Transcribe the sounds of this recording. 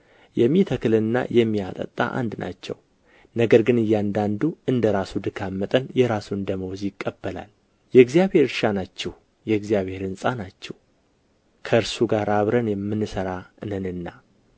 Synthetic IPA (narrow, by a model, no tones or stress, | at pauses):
jɛmːit̪ʰəkʰɨlɨnːa̰jɛmːiat̪ʼə̰t̪ʼːa̰ʔa̰nd̪na̰t͡ʃːɛ̰w | nəɡəɾɡɨnɨjːand̪and̪uɨnd̪əɾasud̪ɨkʰamːət̪ʼənjɛɾasuɨnd̪əməwɔzjɪkʼːəbːəla̰l | jɛɨɡzijaβhe̞ɾʃanat͡ʃːɛh | jɛɨɡzijaβhe̞ɾɨnsʼanat͡ʃːɛw | kʰəɨɾsuɡaɾaβɾənjɛmːɨnːɨsəɾaɨnɨnɨnːa